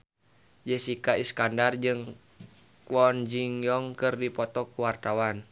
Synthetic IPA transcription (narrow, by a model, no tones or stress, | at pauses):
d͡ʒəsikaiskandard͡ʒɨŋ | kwɔnd͡ʒiŋjɔŋkɨrdipɔt̪ɔkuwart̪awan